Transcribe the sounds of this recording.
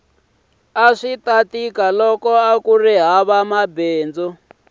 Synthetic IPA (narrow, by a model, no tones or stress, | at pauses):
aʂit̪atikalɔkɔakuriɦaβamabeːnd͡zɔ